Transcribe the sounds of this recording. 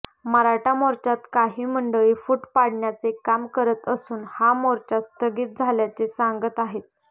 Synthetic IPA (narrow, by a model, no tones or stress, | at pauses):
məɾaʈamoɾt͡ɕat̪kaɦiːməɳɖəʋiːfuːʈpaɽɳjat͡sekamkəɾət̪əsuːnhamoɾt͡ɕast̪əɡiːt̪̚d͡zʱaljat͡sesaŋɡət̪aɦet̪